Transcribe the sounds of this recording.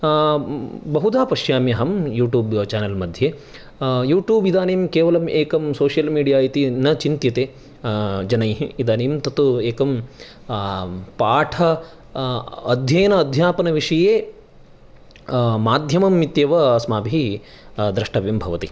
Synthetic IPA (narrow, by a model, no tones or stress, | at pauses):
bɐɦud̪aːpɐʃjaːmjɐɦɐmjuːʈjuːbt͡ʃaːnɐlmɐd̪ʱje | juːʈjuːbid̪aːneːmkeːʋɐlɐmʔeːkɐmsoːʂjɐlmiːɖijaːit̪inɐt͡ʃint̪jɐt̪eː | d͡ʒɐnɐjɦiid̪aːneːmt̪ɐt̪ueːkɐm | paːʈʰɐ | ɐd̪ʱjɐjɐnɐːd̪ʱjaːpɐnɐʋiʂɐjeː | maːd̪ʱjɐmɐmːit̪jɐʋɐsmaːbʱii | d̪ɾɐʂʈɐʋjɐmbʱɐʋɐt̪i